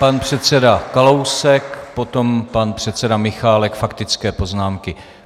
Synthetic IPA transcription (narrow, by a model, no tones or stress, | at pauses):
panpr̝̥ɛt̪t͡sɛdakalowsɛkpo̞t̪o̞mpanpr̥ɛt̪t͡sɛdamɪxaːlɛkfakt̪ɪt͡skɛːpo̞znaːmkɪ